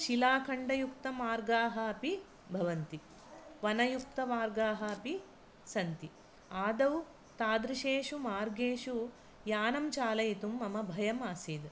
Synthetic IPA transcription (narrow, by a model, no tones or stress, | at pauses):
ʃilaːkʰɐɳɖɐjukt̪ɐmaːɾɡaːɦɐɐpi | bʱɐʋɐnt̪i | ʋɐnɐjuk̚t̪ɐmaːɾɡaːɦɐɐpi | sɐnt̪i | aːd̪ɐw | t̪aːd̪ɾiʃeːʃumaːɾɡeːʃu | jaːnɐmt͡ʃaːlɐjɐt̪umːɐmɐbʱɐjɐmaːsiːd̪